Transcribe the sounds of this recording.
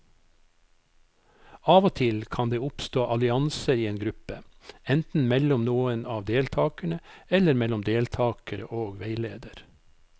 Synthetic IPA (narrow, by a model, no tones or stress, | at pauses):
ɑːʋoːt̪ʰɪlkʰɑnd̪eːʊpst̪oːʔɑlɪɑnsəɾiːeːnɡɾʉpəɛnt̪n̩mɛlʊmnuːənɑːʋd̪eːlt̪ʰɑːkəɳəɛləɾmɛlʊmd̪eːlt̪ʰɑːkəɾə̰ʔoːɡʋeɪleːd̪əɾ